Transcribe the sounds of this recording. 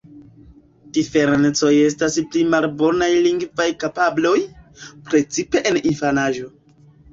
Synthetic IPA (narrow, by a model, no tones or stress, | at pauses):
d̥ife̞ɾent͡so̞je̞s̬tasplimalbo̞najliŋɡvajkapablo̞jpɾe̞t͡sipe̞ʔeninfanaʒo̞